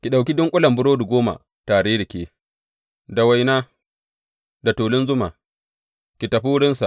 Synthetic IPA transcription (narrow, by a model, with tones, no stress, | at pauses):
kʲi˨ɗa˨wk̬ʲi˦dʊ˦ŋkʷʼʊ˦lɐ˨mbʊ˦ɽoː˦du˨ɡʷoː˦ma̰˨ | taː˨ɽeː˦ɾɪ˨kʲeː˦ | da˨wa˨jnaː˦ | da˨toː˨lɪ˦nzʊ˦ma̰˨ | kʲi˨tɐ˨ɸi˦wʊ˦ɽɪ˦nsa˨